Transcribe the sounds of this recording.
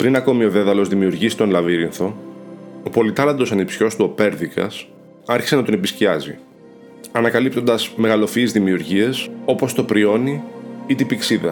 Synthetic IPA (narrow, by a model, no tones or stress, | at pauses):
pɾinɐko̞mio̞ðe̞ðɐlo̞zðimiuɾʝisi̥t̪o̞nlɐviɾinθo̞ | opo̞lit̪ɐlɐnd̪o̞sɐnipsiço̞st̪uope̞ɾðikɐ̰s | ɐɾçi̥se̞nɐt̪onepisciɐzḭ | ɐnɐkɐlip̚t̪o̞nd̪ɐzme̞ɣɐlo̞fiːzðimiuɾʝie̞so̞po̞st̪o̞pɾio̞niit̪ibiksiðɐ̰